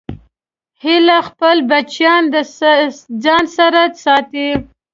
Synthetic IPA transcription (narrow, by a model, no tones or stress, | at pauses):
hɪlaxpəlbat͡ʃjɑnd̪ə | d͡zɑnsaɾasɑt̪e